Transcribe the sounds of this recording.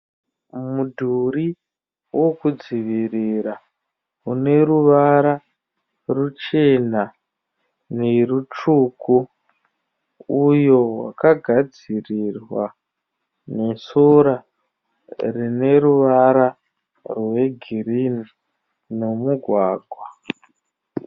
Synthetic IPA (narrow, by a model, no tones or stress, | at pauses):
mudʱuɾi | wʔo̞kud͡ziʋiriɾa | une̞ɾuʋaɾa | rut͡ʃe̞na | neɾut͡ʂuːku | ujo̞wa̰kaɡʱad͡zirirwa | ne̞soɾa | rine̞ɾuʋaɾa | rwe̞ɡʱirini | nomuɡʱwaːɡʱwa